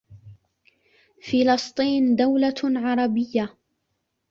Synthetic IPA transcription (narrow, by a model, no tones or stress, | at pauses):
fɪlɑsˤt̪ˤiːnd̪awlaʕɑɾˤɑbɪjːa